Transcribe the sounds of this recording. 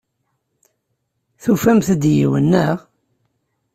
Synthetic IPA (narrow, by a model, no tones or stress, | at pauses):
θufæmθəd̪jḭwə̰nːəʁ